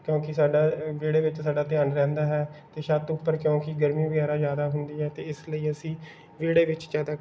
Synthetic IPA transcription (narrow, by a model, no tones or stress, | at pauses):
kjõːkɪsaːɖaːʋeːɽeːʋɪt͡ʃsaːɖaːt̪ɪjaːnɾɛ̃ːnd̪aːɦɛːt̪eːʃat̪ʊpːəɾkjõːkɪɡəɾmĩːbəɡaːɾaːzjaːd̪aːɦʊnd̪iːɦɛːt̪eːɪsləiːəsĩː | ʋeːɽeːʋɪt͡ʃd͡ʒjaːd̪aː